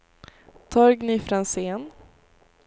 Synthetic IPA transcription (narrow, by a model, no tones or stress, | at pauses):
t̪ʰɑːɾɡniːfɾanseːn